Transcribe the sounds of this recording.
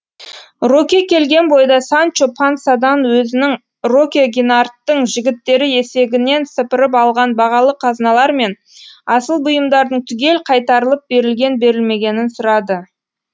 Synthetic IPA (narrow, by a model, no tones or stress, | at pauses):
ro̞kʲekʲʰe̞lɡʲe̞nbo̞jd̪ɑsant͡ʃopʰansad̪ɑnwɵzɪnɪŋ | ro̞kʲeɡʲinart̪ːəɴʒɪɡʲɪt̪ːe̞ɾɪje̞se̞ɡʲɪne̞nsəpɪɾəp̬ɑlˠʁɑnbɑʁɑlˠəqʰɑznɑlˠɑɾme̞n | ɑsəlˠbʊjəmd̪ɑɾd̪əɴt̪ʰʏɡʲe̞lqʰɑjt̪ɑɾəlˠəp̚be̞ɾɪlɡʲe̞nbe̞ɾɪlme̞ɡʲe̞nɪnsʊɾɑd̪ə